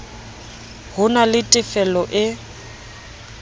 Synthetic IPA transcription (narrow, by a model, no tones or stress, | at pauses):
hʊnalɪtʼɪfɛlɔʔɪ